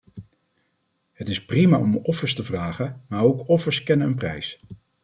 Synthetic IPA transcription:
hətɪsprima̰ːɔmɔfəɹstəvraːχənmaːɹowkɔfəɹskɛnənənprɛ̰js

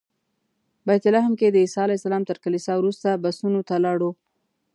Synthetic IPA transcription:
bajt̪ɪlaɦmked̪əisɑalajsalɑmt̪əɾkalisɑwɾust̪abasunot̪alɑɽo

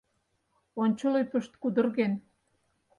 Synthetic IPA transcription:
onʲt͡ɕolojpə̆ʃt̪̚kud̪ə̆rɣen

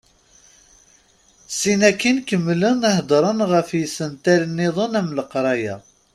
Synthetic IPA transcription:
sinækːinkəmːlənæhd̪ɾˤənʁəfjisənt̪ælnːiðˤonæmləqɾˤɑjæ̰

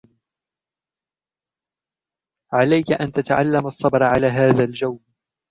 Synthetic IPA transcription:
ʕalajkaʔant̪at̪aʕa̰lːamɑsˤːɑbɾˤʕalaːɦaːðald͡ʒawn

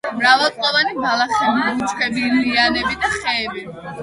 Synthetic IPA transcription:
mɾavalˠt̪ʼqʼɔvanibalˠaχɛbiut̪sʼχʼɛbilianɛbid̪aχɛːbi

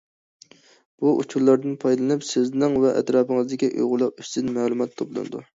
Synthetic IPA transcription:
b̥uʔṵt͡ʃʰuɾlˠɑɾd̪ɨnpʰɑjd̪lˠɨnɨpsɪznɪŋvɛʔɛ̰t̪ɾɑːpəŋɨzd̪ɪkʲiʔṵjʁʊlˠɑqyst̪ɪnmælˠumɑt̪ːʰɑblˠɨ̰nɨd̪ṵ

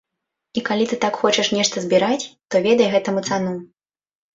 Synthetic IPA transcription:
ikalʲit̪ɨt̪akxɔt͡ʂɐʂnʲɛʂt̪ɐzʲbʲiɾat͡sʲt̪ɔvʲɛd̪ɐjɣɛt̪ɐmɨt̪sanu

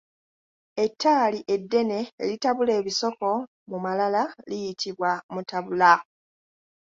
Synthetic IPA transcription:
e̞tʰːaːliʔe̞dːe̞nḛːlitaβule̞ːβiso̞ko̞ | mumalalalijitʰiβwamutaβula

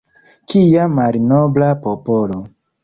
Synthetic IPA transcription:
kʰijamalinoblapopolo

